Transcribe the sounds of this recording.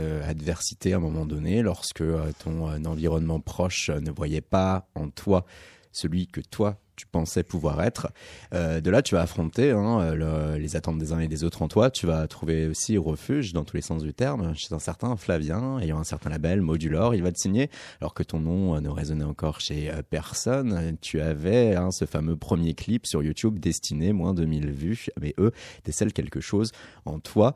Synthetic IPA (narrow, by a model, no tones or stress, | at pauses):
øa̰d̪vɛʁsi̥t̪eɛ̃mɔmɑ̃d̪ɔnelɔʁsə̥kəøt̪ʰɔ̃ønɑ̃viʁɔnmɑ̃pχɔʃnəvwajɛpaɑ̃t̪wa | səlɥikət̪wat̪y̥pɑ̃sɛpuvwaʁɛt̪χød̪əlat̪yvaːfχɔ̃t̪eɛ̃øllezat̪ɑ̃t̪̚d̪ezɛ̃ed̪ezot̪χɑ̃t̪wat̪yvat̪χuveosiʁəfyʒd̪ɑ̃t̪ulesɑ̃sd̪yt̪ɛʁmʃezɛ̃sɛʁt̪ɛ̃flavjɛ̃ejɑ̃ɛ̃sɛʁt̪ɛ̃labɛlmod̪ylɔʁilvat̪ə̥siɲealɔ̰ʁkət̪ɔ̃nɔ̃ønəʁezɔnɛɑ̃kɔʁʃeøpɛʁsɔnt̪ʰyavɛɛ̃səfamøpχəmjeklipsyʁjut̪ubd̪ɛst̪inemwɛ̃d̪əmilvymɛʔød̪̥esɛlkʲɛlkəʃozɑ̃t̪wa